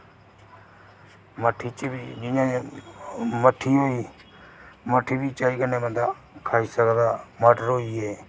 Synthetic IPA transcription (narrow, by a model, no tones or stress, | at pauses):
məʈʰiːt͡ʃːbiːd͡ʒɪɲãː | məʈʰiːɦoːiː | məʈʰiːbiːt͡ʃaːiːkənẽːmənd̪a | kʰaːiːsəɡd̪aːməɖəɾɦoːiːɦeː